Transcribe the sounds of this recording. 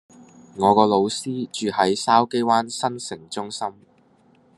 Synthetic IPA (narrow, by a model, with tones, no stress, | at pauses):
ŋɔː˨˧kɔː˧lo˨˧wsiː˥t͡ʃyː˨hɐ˨˥jsaː˥wke˥jwaː˥nsɐ˥nsɪ˨˩ŋt͡ʃʊ˥ŋsɐ˥m